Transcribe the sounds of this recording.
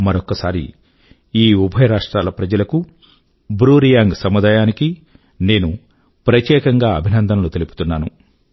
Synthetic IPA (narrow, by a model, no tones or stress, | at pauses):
mɐɾokːɐsaːɾḭ | iːubʱɐjɐɾaːʂʈɾaːlɐpɾɐd͡ʒɐlɐku | bɾuːɾijaːŋɡsɐmɐd̪aːjaːniki | ne̞ːnu | pɾɐt̪jɛːkɐŋɡaːɐbʱinɐnd̪ʱɐnlut̪e̞lupu̥t̪unːaːnu